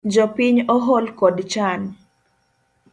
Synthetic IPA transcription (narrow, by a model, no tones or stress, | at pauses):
d͡ʒɔpiɲɔɦɔlkɔdt͡ʃan